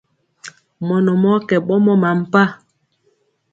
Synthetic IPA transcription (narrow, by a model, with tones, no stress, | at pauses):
mɔ˨nɔ˨mɔ˦kɛ˨ɓɔ˦mɔ˦ma˨m̩˨pa˦